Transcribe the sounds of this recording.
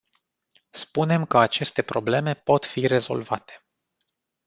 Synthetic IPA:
spune̞mkəat͡ʃe̞st̪e̞pɾo̞ble̞me̞po̞t̪fiɾe̞zo̞̰lvat̪e̥

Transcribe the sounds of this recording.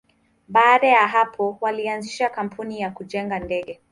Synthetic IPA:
ɓaːɗajaɦapʰɔwalianziʃakam̩pʰunijakuʄɛŋɡandɛɠɛ

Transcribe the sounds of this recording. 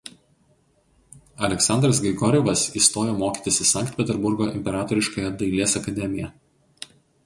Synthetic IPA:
ɐlʲɛksɑnd̪ɾɐsɡʲɛɪɡɔɾʲɛʋɐsiːst̪oːjoːmoːkʲiːt̪ʲɪsʲɪsɐˑŋkt̪ʲpʲɛt̪ʲɛɾbʊɾɡoːʔɪmʲpʲɛɾɑːt̪ɔɾʲɪʃkɐːjɛd̪ɐɪlʲeːsɐkɐd̪ʲɛmʲɪjɛ

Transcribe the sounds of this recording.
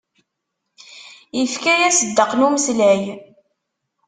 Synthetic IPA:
jəfkæjæsəd̪ːəqnuməsləj

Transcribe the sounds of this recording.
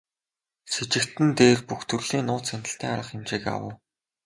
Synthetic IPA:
set͡ɕɪ̆kt̪ɘ̆nt̪eːrpuxt̪ʰɵrɮ̥iːnʊːt̪sænʲt̪ə̆ɬt̪iːŋaɾə̆χɪmt͡ɕiːka̰wə̰̆w

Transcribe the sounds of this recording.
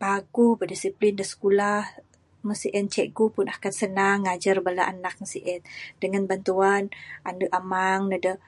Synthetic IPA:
paɡubədisiplindəsə̥kulah | məsiʔɛnt͡ʃɛʔɡupʊnakansənaŋːad͡ʒarbalaʔanak̚məsiʔɛnd̥əŋanbant̪uanʔanəʔamaŋnədə

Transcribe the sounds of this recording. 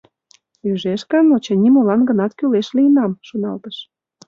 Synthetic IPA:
jyʒeʃkənot͡ɕənʲimolɑnɡə̆nɑt̪kyleʃliənɑmʃonɑlt̪əʃ

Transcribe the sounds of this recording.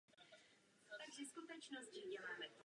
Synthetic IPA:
t̪aɡzɪskut̪ɛt͡ʃnosciɲɛmaːmɛ

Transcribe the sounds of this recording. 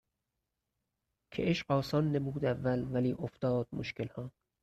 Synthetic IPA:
kʰḛʔeʃɢɒːsɒːnːebuːd̪ævːælvæliːʔoft̪ɒːd̪̥̚moʃkelhɒː

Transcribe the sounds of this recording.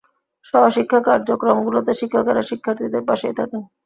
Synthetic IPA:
ʃɔbaʃikʰːakaɾd͡ʑokɾomɡulot̪eʃikʰːakaɾaʃikʰːaɾt̪ʰid̪eɾpaʃet̪ʰake

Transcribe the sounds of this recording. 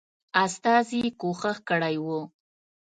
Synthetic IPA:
ast̪ɑzikoxəxkəɽajwo

